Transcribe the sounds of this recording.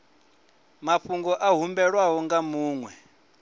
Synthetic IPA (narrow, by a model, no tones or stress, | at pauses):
maɸuŋɡɔʔaɦumbɛɺwaɦɔŋɡamuːŋwɛ